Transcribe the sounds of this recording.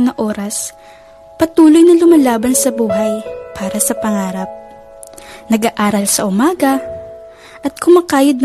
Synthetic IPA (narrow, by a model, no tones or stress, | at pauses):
nɐʔoːɾɐs | pɐt̪uːlojnɐlʊmɐlaːbɐnsɐbuːɦɐjpʰaːɾɐsɐpɐŋaːɾɐp̚ | nɐɡaʔaːɾɐlsɐʔʊmaːɡɐ | ʔɐt̪̚kʊmɐkaːjɐd̪̚n